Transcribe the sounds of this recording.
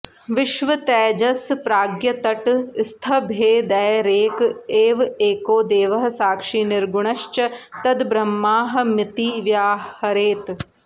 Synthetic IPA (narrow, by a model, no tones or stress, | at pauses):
ʋɪʃʋɐt̪ɛːd͡ʒɐspɾaːɡjɐt̪ɐʈst̪ʰɐbʱeːd̪ɛjɾeːkeːʋeːkoːd̪eːʋɐɦɐsaːkʂiːnɪɾɡʊɳ̃ɐʃt͡ʃɐt̪ɐd̪bɾɐmːaːɦɐ̆mɪt̪iʋjaːhɐɾeːt̪